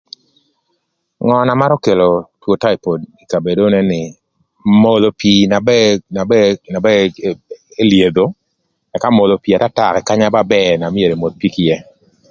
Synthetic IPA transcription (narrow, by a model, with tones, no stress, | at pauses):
ŋɔ˨na˨ma˦ɾɔ˦ke˨lo˨two˨ta˦i˨po˨di˨ka˨be˨do˦ne˦nɪ˨ | mo˨lo˨pi˨na˨bɛna˨bɛna˨bɛ˦ | e˦lje˨d̪o˨ | ɛ˨ka˦mo˨lo˨pi˨a˨ta˦ta˨kɛ˨ka˦ɲa˦ba˦bɛ˦˨na˨mi˦e˨ɾe˨mo˨d̪̚pi˦kɪ˦jɛ˦